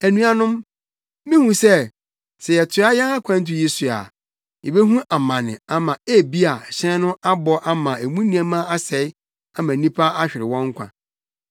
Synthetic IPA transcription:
æ˨nũ˦a˨nʊ̃˦m | mĩ˦hũ˨sɛ˦˨ | sɛ˨jɛ˨tʰʊ˨˦a˦jɛ̃˦a˦kʷʰã˦n̩˦t̬ɪ˨je˦su˨a̰˨ | jɛ˨be˦ɦũ˦ʔa˨mã˨nɪ̃˨a˨mã˨e˦˨bi˦a˨ɕɛ̃˦nʊ̃˦a˦bɔ˦ʔa˦mã˨æ˨mũ˦nĩ˦a˦mã˦a˦sɛ˨˦ɪ˦ | a˦mã˨nĩ˦pʰa˦a˦ɕᶣɪ˨ɾɪ˨wɔ̃˦ŋ˦kʷʰã̰˨

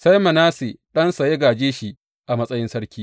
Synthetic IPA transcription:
sɐ˦jmɐ˨naː˦se˨ɗɐ˦nsɐ˨je˦ɡaː˨d͡ʒeː˦ʃi˨ | ʔa˨mɐ˦sʼɐ˦jɪ˦nsɐ˦ɾkʲiː˦

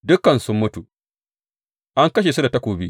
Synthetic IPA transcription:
dʊ˦kːɐ˨nsʊ˦mːʊ˦tu˨ | ʔa˦ŋkɐ˦ʃ̬eː˨su˦da˨tɐ˦kʷoː˨bi˦

